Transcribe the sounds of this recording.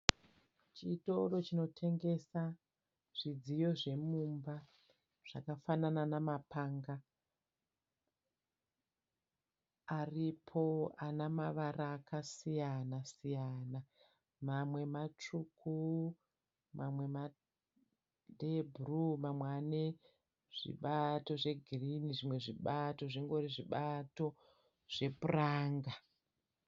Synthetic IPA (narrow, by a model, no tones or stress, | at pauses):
t͡ʃiːto̞ro̞t͡ʃino̞tʰe̞ŋɡe̞sa | ʐ̥id͡zijo̞ʐe̞mumba | ʐ̥akafanananamapaŋɡa | ripʰo̞anamaʋaɾaːkasijanasijaːna | mamwe̞mat͡ʂukʰu | mʔamwe̞ma | deburumamwane | ʐ̥ḭɓato̞ʐe̞ɡʱiriniʐimwe̞ʐiɓato̞ʐiŋɡo̞ɾiʐiɓato̞ | ʐ̥e̞puraːŋɡa